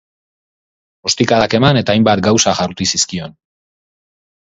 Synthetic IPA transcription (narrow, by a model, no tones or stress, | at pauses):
o̞st̪ikaðake̞mane̞t̪aːjmbat̪̚ɡawsaʝaɾt̪isiskio̞n